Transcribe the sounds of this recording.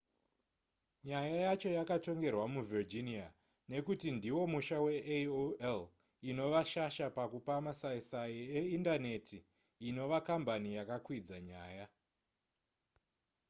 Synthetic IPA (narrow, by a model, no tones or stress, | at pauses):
ɲajajat͡ʃo̞jakato̞ŋɡe̞rwamuvird͡ʒinia | ne̞kutindiwo̞muʃawe̞ʔoel | ino̞ʋaʃaʃapakupamasaisaieindane̞tiː | no̞ʋakambanijakakwid͡zaɲaːja